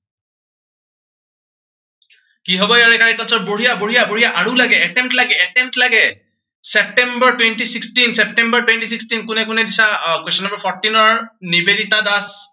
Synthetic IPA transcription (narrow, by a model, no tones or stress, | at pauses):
kiɦɔbɔjaɹɛkaɹɛk̚tansɔtboɹijaboɦijaboɹijaʔaɹulaɡɛɛʈɛmtlaɡɛɛʈɛmtlaɡɛ | sɛp̚ʈɛmbəɹtwenʈisikstinsɛp̚ʈɛmbəɹtwenʈisikstinkʊnɛkʊnɛdisakwestʰɔnːambaɹpʰɔɹʈinɔɹnibedit̪adas